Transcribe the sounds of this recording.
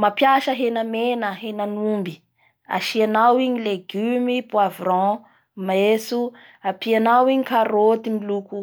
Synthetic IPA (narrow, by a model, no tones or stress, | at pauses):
mapjaʃəɦenəmenəɦenanumbi | a̰ʃianawiɲileɡymipwavrɔ̃ | mesu | apianawiɲikaɾot̪imiluku